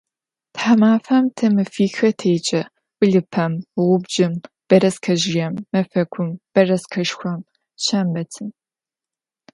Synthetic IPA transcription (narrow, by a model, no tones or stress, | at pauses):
tħamaːfamtʰɐmɨfiːxɐtʰeːt͡ʃʼɐ | wʊɮɨpʰɐmʁʷʊbd͡ʒɪm | b̥ɐɾɐskʰɐʒɪjɐmːɐfɐkʷʰʊmb̥ɐrɐskʰɐʃxʷɐm | ʃʰɐmbɐtʰɨm